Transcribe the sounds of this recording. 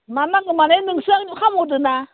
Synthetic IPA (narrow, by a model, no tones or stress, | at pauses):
manaŋɯmanenɯŋsɯaŋɲukʰamodɯna